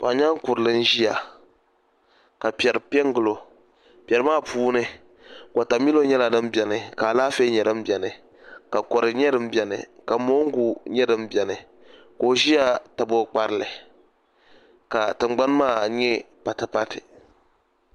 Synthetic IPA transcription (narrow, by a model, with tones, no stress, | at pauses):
pa̰˨ɲa˦ŋ˦ku˨ɾɨ˨lɨ˦n̩˦ʒi˦ja˨ | ka˨pjɛ˨ɾɨ˨pɛ˦ŋ˦ɡɨ˨lo˨ | pʲɛ˨ɾɨ˨˦maː˦˨puː˦nɨ˦ | ka˨ta˨mi˦lo˦ɲɛ˦la˨dɨ˦mbɛ˨nɨ˨ka˨laː˦fe˦ɲɛ˨dɨ˦m˦bʲɛ˨nɨ˨ | ka˨kɔ˨ɾɨ˨ɲɛ˦dɨ˦m̩bɛ˨nɨ̰˨ka˨mo˦ŋ˦ɡu˦ɲɛ˦dɨ˦mbʲɛ˨nɨ˨ | koː˨ʒi˦a˦ta˨bo˦k͡pa˦ɾɨ˦˨lɨ˨ | ka˨tɨ˨ŋ͡mɡ͡ba˦n˦maː˦˨ɲɛ˦ | pa˨tɨ˨pa˦tɨ˨